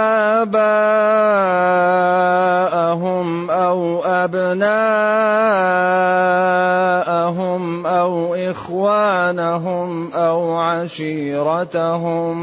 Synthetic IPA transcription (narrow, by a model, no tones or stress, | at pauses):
ʔaːbaː | ʔaɦʊm | ʔawʔabnaː | ʔaɦʊmʔawʔɪxwaːnaɦʊmʔawʕaʃiːɾˤɑtɦʊm